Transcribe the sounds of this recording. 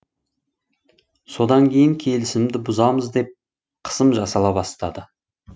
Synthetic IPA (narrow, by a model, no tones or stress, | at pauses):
so̞d̪ɑŋkʲʰe̞jɪŋkʲʰe̞lɪsɪmd̪ɪbʊzɑməzd̪e̞p̚ | qʰə̥səmʒɑsɑlˠɑbɑst̪ɑd̪ə